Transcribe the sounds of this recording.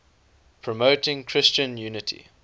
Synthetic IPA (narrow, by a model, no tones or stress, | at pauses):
pʰɹɔmoʊtɪ̃ŋkʰɹɪst͡ʃə̃njʉːnɪtʰḭ